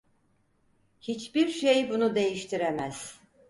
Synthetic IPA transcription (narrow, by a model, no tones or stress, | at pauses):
hit͡ʃbiɾʃejbunud̪e̞jiʃt̪ʰiɾemæz̥